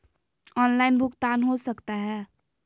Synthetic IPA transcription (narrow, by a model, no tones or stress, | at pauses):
ɔːnlaːɪnbʱʊkt̪anɦosəkt̪aɦɛː